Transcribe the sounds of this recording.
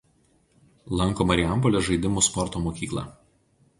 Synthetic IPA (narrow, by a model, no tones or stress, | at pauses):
lˠɐŋˑkoːmɐɾʲɪjæˑmpɔlʲeʒɐɪd̪ʲɪmospɔɾt̪oːmoːkʲiːklˠɑ̰ːˑ